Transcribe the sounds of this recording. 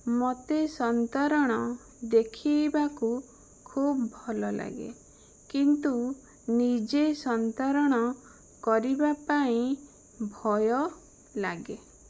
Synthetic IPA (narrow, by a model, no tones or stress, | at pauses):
mot̪esɔnt̪aɾɔɽ̃ɔ | d̪ekʰibaku | kʰubbʱɔlɔla̰ɡḛ | kint̪u | nid͡ʒesɔnt̪aɾɔɽ̃ɔ | kɔɾibapaĩ | bʱɔjɔ | laɡe